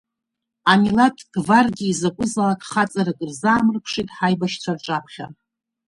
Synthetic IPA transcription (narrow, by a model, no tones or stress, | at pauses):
amilatʰɡ̥varɡʲiːzakʷʼʊzalakʼχat͡sʼaɾakʼɨrzaːmɨrpʷʰʂitʼħajbaʃt͡sʷʰarʈ͡ʂʼapʰχʲa̰